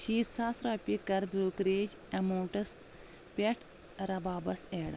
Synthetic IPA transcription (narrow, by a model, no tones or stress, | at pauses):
ʃiːsaːsɾɐːpʲikɐɾboːkɾeːd͡ʒ | ɐmoːʈɐs | pʲeʈʰ | ɾɐbaːbɐseːɽɐ